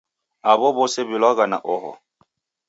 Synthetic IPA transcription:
aβɔbɔsɛβɪlwaɣana̰ʔɔhɔ̰

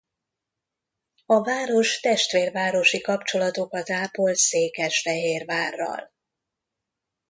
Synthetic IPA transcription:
ɒvaːɾo̞ʃt̪ɛʃt̪ʋeːrvaːɾo̞ʃikɒpt͡ʃo̞lɒt̪o̞kɒt̪aːpolt̪seːkɛʃfɛɦeːrvaːrːɒ̰l

